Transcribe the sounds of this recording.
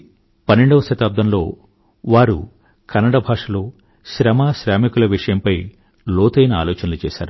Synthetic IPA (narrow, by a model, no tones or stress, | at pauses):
pɐnːeɳɖɐʋɐʃɐt̪aːb̚d̪ʱɐmlo̞ː | ʋaːɾṵ | kɐnːɐɽɐbʱaːʂɐloː | ʃɾɐmaːʃɾaːmikulɐʋiʂɐjɐmpɐj | loːt̪ɐjnɐaːloːt͡ʃɐnɐlut͡ʃɛːʃa̰ːɾu